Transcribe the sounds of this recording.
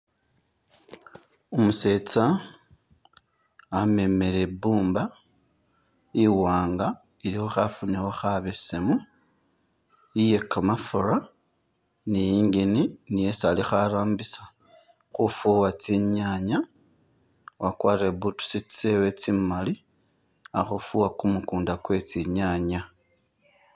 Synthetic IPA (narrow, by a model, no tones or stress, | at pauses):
omuse̞t͡sa | ame̞me̞ɾe̞buːmba | iwaːŋɡa | iɾixoxafunixoxaβesemu | jije̞kːamafuɾa | nijiːŋɡininijesalixaɾaːmbisḁ | xufuwat͡siɲaɲa | wakwaːɾeβutu̥sit͡st͡sewet͡simali | a̰xufuwakumukuːndakwe̞t͡siɲaɲa